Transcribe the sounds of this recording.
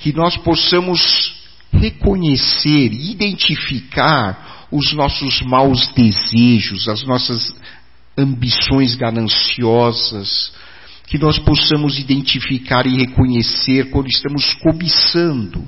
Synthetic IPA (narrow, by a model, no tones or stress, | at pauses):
kɪnɔsposɐ̃mʊs | hekõɲeseɾɪid̪ẽnt͡ʃifikaɾ | ʊznɔsʊzmawzd̪ezeʒʊzɐznɔsɐz | ɐ̃mbisõj̃zɡanɐ̃siɔzɐs | kɪnɔsposɐ̃mʊzid̪ẽnt͡ʃifikaɾɪhekõɲeseɾkwɐ̃nd̪ʊist̪ɐ̃mʊskomisɐ̃nd̪ʊ